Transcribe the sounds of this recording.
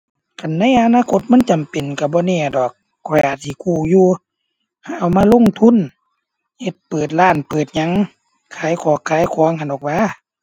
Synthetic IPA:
ka˨nːa˧˥˨jʔa˧naː˧˨kʰo˧˦t̪̚ma˧˥˨nt͡ɕa˨mpe˨˩nka˧˩bɔː˧˦nɛː˧˩˨dɔː˨˩k̚ːʰɔ˧˨ʔaː˧˨˩t̪ʰiː˧˩kʰuː˧˩juː˧ | ha˧˨ʔa˨wmaː˧˥˨lo˧˥˨ŋt̪ʰu˧˥˨n | he˧˦t̪̚pɤː˨˩t̪̚laː˧˥˩npɤː˨˩t̪̚ɲa˧˦ŋ | kʰaː˨˦˨jkʰɔː˧˦kʰːaː˨˧˦jkʰɔː˧˦əŋha˧˨ndɔː˨˩k̚waː˧˦˨

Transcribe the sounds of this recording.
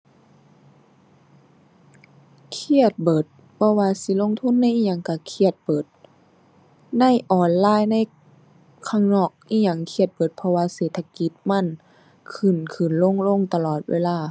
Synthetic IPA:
kʰi˧˩ət̪̚bɤː˨˩t̪̚ | pʰɔ˧waː˧si˧˦lo˧˨ŋt̪ʰu˧˥˨nːa˧˥˨ʔi˧˨ɲa˧˩˨ŋka˧˩kʰi˧˩ət̪̚bɤː˨˩t̪̚ | na˧˥˨jʔɔː˨˩nlaː˧˥˩jna˧˥˨j | kʰaː˧˩ŋnɔː˧˩k̚ʔi˧˨ɲa˧˩ŋkʰi˧˩ət̪̚bɤː˨˩t̪̚pʰɔ˧waː˧seː˨˩t̪ʰːa˧ki˧˦t̪̚ma˧˥˨n | kʰɯ˨˩nkʰɯ˨˩˨nlo˧˥˨ŋlo˧˥˨ŋt̪a˧lɔː˨˩t̪̚wḛː˧˨laː˧˩˨

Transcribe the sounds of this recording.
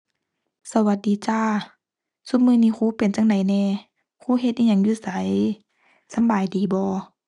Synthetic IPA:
sa˧˦wa˧˦t̪̚diː˨˦t͡ɕaː˧˩ | su˧˦mɯː˧˨niː˧˨kʰuː˧˦pe˨nt͡ɕa˧ŋda˨˦jnɛː˧˩˨ | kʰuː˧˥˦ɦe˧t̪̚ʔiː˧ɲa˧˦ŋjuː˧˩˨sa˨˦j | sa˨˧˦mbaː˨jdiː˨˦bɔː˧˦

